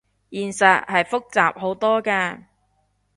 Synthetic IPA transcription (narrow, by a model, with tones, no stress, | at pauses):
jiː˨˩nsɐ˨t̚hɐ˨jfʊ˥k̚t͡sa̰ː˨p̚ɦo˨˥wt̪ɔː˥kaː˧